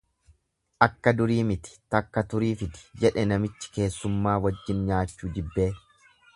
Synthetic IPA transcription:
ʔɐkːɐd̪ʊɾiːmɪt̪ɪ̥t̪ɐkːɐt̪ʊɾiːfɪd̪ɪ̥d͡ʒɛᶑɛnɐmɪt͡ʃːɪ̥ke̞ːsːʊmːaːwɐd͡ʒːɪnɲaːt͡ʃːuːd͡ʒɪbːe̞ː

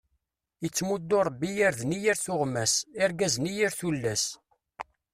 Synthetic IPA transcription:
jət͡sːmud̪oɾˤəbːijaɾðnijiɾθʊʁmæsɪɾɡæznijiɾθulːæs

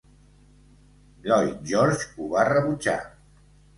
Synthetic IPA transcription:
lɔjʒɔɾt͡ʃuβarəβud͡ʒa̰

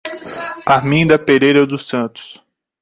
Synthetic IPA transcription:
aɦmĩd̪ɐpeɾejɾɐd̪ʊsɐ̃t̪ʊ̥s

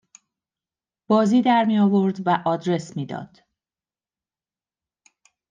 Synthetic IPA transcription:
b̥ɒːziːd̪æɾmijɒːvo̞ɾd̪væʔɒːd̪ɾe̞smiːd̪ɒ̰ːd̪̥

